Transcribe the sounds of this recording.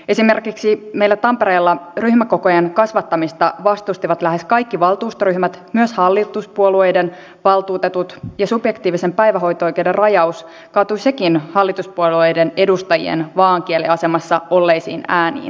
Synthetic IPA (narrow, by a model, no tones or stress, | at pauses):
e̞sime̞rkiksimejlːæt̪ɑmpeɾe̞ːlːɑryhmæko̞kojenkɑsʋɑt̪ːɑmist̪ɑʋɑst̪ust̪iʋɑt̪læhe̞skɑjkːiʋɑlˠt̪uːst̪ɑryhmæt̪myøshɑlːit̪uspuolue̞jden | ʋɑlt̪uːt̪et̪ut̪jɑsubjekt̪iːʋise̞mpæjʋæɦo̞jt̪oojk̟eude̞rɑjɑus | kɑːt̪uise̞kinhɑlːit̪uspuoluejdene̞dust̪ɑjḭḛnʋɑːŋk̟ieliɑse̞mɑsːɑolːejsiːnæːnḭːn